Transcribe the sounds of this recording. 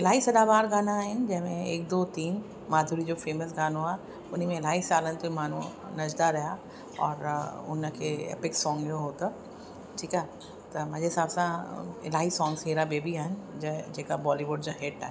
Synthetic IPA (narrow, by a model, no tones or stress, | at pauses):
ɪlaːisɐd̪abaːɾɡaːnaɛ̃nd͡ʒɛmẽeːk̚d̪oːt̪iːn | maːd̪ʱuɾid͡ʒoːfeːməsɡaːnoa | ʊnimẽɪlaːisaːlə̃nt̪oimaːnu | nɐd͡ʒd̪aɾɐja | ɔːɾʊ̰nːəkeḛːpɪksɔ̃ːŋɡjoɦoːt̪a | ʈʰiːka | t̪ɐmɐd͡ʒesaːbsãɪlaːisɔ̃ːŋɡsɦeːɾabeːbiand͡ʒɛd͡ʒɛkabɔːliʋʊɖd͡ʒoɦeːɖʈa̰ː